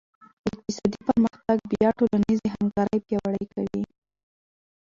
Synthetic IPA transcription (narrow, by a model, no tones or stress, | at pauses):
ɪq̚t̪ɪsɑd̪ipəɾməxt̪aɡ̚bjɑʈolanizeɦamkɑɾəjpjɑwaɽəjkʰawi